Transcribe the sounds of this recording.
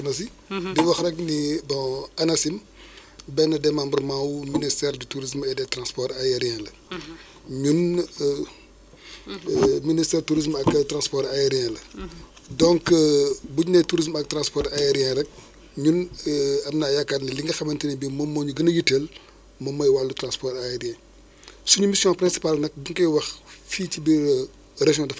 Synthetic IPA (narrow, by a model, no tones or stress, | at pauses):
nɐsi | diwɐxrɛknibɔ̃ɐnɐsim | bɛnːɐdɛmambərmãwuministɛɾdituɾis̬mɛdɛtɾãnspɔɾajɛɾjɛ̃lɐ | ɲun | ministɛːɾtuɾismɐktɾãnspɔːɾajɛɾjɛ̃lɐ | dɔ̃ŋkbuɲnɛtuɾis̬mɐk̚tɾãnspɔɾajɛɾijɛ̃ːɾɛk̚ | ɲunɐmnaːjakːatnɐliŋɡɐxɐmɐntinɛbimɔmːɔːɲuɡɐnɐjitːel | mɔmːɐjwalːutɾãnspɔːɾajɛɾijɛ̃ː | suɲumisjɔ̃pɾɛ̃nsi̥palnɐk̚buŋkɐjwɐxfiːtibi | rɐʒjɔ̃ndɐf